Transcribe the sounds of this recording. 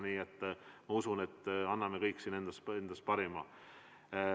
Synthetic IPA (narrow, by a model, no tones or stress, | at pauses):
niːet̪ːmɑusune̞t̪ːˑɑnːɑmekɤjkːˑsiːnend̪̥ɑsend̪̥ɑs̚pɑɾimɑ